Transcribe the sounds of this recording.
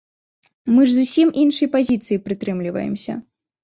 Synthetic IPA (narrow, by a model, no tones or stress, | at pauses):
mɨʐzusʲimʔinʂɨjpazʲit̪sɨjipɾɨt̪ɾɨmlʲivɐ̰jɛ̰msʲɐ̰